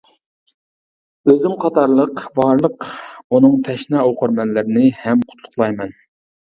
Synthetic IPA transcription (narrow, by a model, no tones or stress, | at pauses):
øzɪmqʰɑt̪ɑɾlˠəqbɑɾlˠəqunɨŋt̪ʰɛʃnɑoqʰəɾmɛnlɪɾɪnɪhɛmqʰʊ̥t̪ʰlˠʊχlˠɑjmɛn